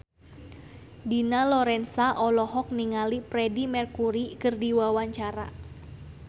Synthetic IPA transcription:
dinalɔɾɛnsaʔɔlɔɦɔk̚niŋalipɾɛdimɛrkuɾikɨrdiwawaɲt͡ʃaɾa̰

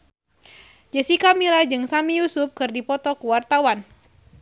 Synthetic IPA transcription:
d͡ʒəsikamilahd͡ʒɨŋsamijusup̚kɨrdipɔt̪ɔkuwart̪awan

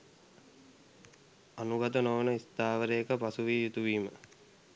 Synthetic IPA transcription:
anuɡat̪ənoʋənəist̪aːʋəɾejəkəpasuʋiːjut̪uʋiːmə

